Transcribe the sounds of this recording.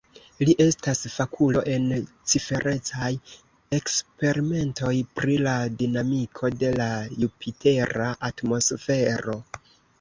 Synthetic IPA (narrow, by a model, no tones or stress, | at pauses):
liʔe̞stasfakʰulo̞ʔe̞n | t͡ʃife̞ɾʔe̞t͡saj | e̞kspe̞ɾime̞nto̞jpɾiladinamikʰo̞de̞lajupʰite̞ɾaʔatmo̞sfe̞ɾo̞